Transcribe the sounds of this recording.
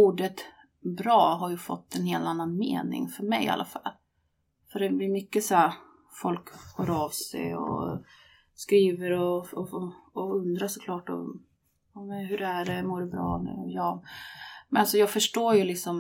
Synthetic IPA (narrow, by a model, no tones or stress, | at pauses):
uːɖət̪ | bɾɑːɦaɾjɵfɔ̰t̪ːɛnheːlt̪anːanmḛːnɪ̰ŋfœɾmɛja̰lʔa̰fa̰lː | fœɖɛblɪɾmʏkːəshæɾ | fɔlkhɔɾɑːvsɛ̰jɔ̰ | skɾiːvəɾɔɔː | ɵnd̪ɾaʂɔkʰlɑːʈɔ̰ | ɑːmɛnɦɵɾæɖɛmoːɖɛbɾɑ̰ːnʉ̰jɑː | mɛnalsɔjɑːɡfœʂʈoːjɵlɪksɔm